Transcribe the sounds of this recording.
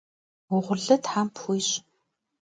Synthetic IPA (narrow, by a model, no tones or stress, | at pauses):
wʊʁʷʊrɮɐtħaːmpʰxujɕ